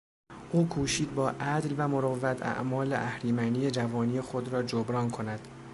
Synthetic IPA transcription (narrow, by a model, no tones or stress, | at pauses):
ʔuːkʰuːʃiːd̪̚bɒːʔæd̪lvæmoɾovːæt̪ʰæ̰ʔmɒːleʔæhɾiːmæniːjed͡ʒævɒːniːje̞xod̪ɾɒːd͡ʒobɾɒːnkʰonæd̪̥